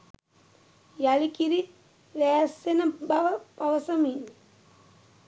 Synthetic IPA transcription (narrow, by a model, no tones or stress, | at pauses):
jalikiɾi | ʋæːsːenəbaʋəpaʋəsəmiːn